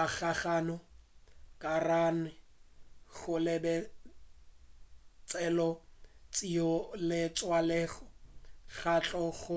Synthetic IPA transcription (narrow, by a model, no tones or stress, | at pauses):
aɣaχaːnɔ | kʼaranɪ | ɣʊlɪbɛ | t͡sʼɛlɔt͡sʼiɔlɪt͡sʼwalɛːɣɔɣat͡ɬʼɔɣʊ